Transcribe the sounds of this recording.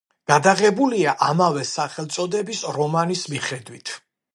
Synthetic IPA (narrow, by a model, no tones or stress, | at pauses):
ɡ̥ad̪aʁɛbuliaʔamavɛsaχɛlˠt̪sʼɔd̪ɛbisɾɔmanismiχɛd̪wit̪ʰ